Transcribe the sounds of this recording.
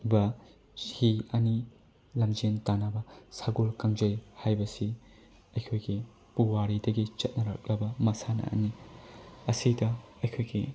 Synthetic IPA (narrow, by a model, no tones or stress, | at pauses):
bɐ | hiɐni | lɐmd͡ʒintanabɐsaɡolkaŋd͡ʒɐjhajbɐsi | ɐjkʰojɡi | puwaɾidɐɡit͡ʃɐt̚nɐɾɐ̰k̚lɐbɐmɐsanɐ̰ʔɐ̰ni | ɐsidɐɐjkʰojɡi